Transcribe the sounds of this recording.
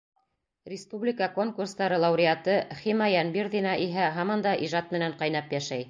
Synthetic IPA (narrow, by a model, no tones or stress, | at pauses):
rʲɪspublʲɪkəko̞ŋkurst̪ɑɾɤlˠɑwɾʲɪat̪ɤχimɑjænbirðinɑʔiɦæɦɑmɑnd̪ɑʔiʒɑt̪̚mɘ̆næɴqɑjn̪ɑpjæʃæj